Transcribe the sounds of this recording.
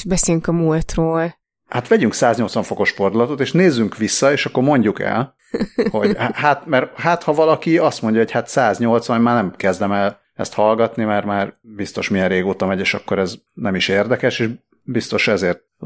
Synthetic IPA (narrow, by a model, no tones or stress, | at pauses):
bɛseːlyŋkɒmult̪roːl | hat̪ʋɛɟyŋksaːzɲo̞lt̪sʋɒɱfo̞ko̞ʃford̪ulɒt̪ot̪eːʃneːzːyŋkʋisːɒeːʃɒkːoɾmo̞ɲɟukɛ̰l | ho̞ɟhhat̪mɛrhat̪hɒvɒlɒkiɒst̪mo̞ɲɟɒɦo̞chat̪saːzɲo̞lt̪sʋɒnmaːrnɛmkɛzd̪ɛmɛl | ɛ̰st̪hɒlɡɒt̪nimɛrmaːrbist̪o̞ʃmiɛreːɡoːt̪ɒmɛɟeːʃɒkːo̞ɾɛznɛmiʃeːrd̪ɛkɛʃeːʒ | bist̪o̞ʃɛzeːrt̪̚